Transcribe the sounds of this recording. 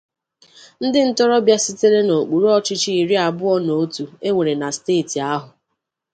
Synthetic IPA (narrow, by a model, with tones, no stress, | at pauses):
n̩˦dɪ˦n̩˦tɔ˦ɾɔ˦bja˦si˦te˦ɾe˦no˨k͡pu˨ɾu˦ɔ˨t͡ʃɪ˦t͡ʃi˦i˨ɾi˦a˨bʊ˦ɔ˦no˨˦tu˨e˦ŋʷe˨ɾe˨na˨steː˦˨ti˨a˦ɦʊ˨